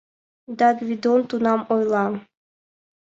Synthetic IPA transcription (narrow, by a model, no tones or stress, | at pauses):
d̪ɑɡvʲid̪ont̪unɑmojlˠɑm